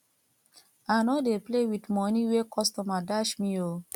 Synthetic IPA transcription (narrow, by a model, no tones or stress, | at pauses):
anodeplewitmɔnĩwekɔstɔmadaʃmĩo